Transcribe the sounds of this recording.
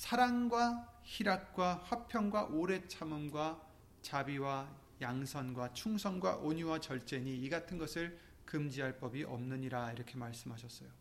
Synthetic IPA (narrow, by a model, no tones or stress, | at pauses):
sʰaɾaŋɡwaçiɾak̚k͈waɸwapʰjʌŋɡwaʔoɾe̞t͡ɕʰamɯmɡwa | t͡ɕabiwa | jaŋsʰʌnɡwat͡ɕʰuŋsʰʌnɡwa̰ʔoɲuwat͡ɕʌɭt͡ɕ͈e̞ɲiːɡatʰɯnɡʌsʰɯɭ | kɯmd͡ʑiɦaɭp͈ʌbiʔʌmnɯɲiɾaiɾʌkʰe̞maɭs͈ɯmɦaɕʰʌs͈ʌjo